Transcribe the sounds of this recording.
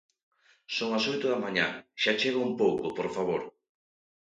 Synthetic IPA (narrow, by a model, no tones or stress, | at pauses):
soŋasojt̪ʊðamaɲaʃat͡ʃeɣoumpowkopoɾfaβ̞oɾ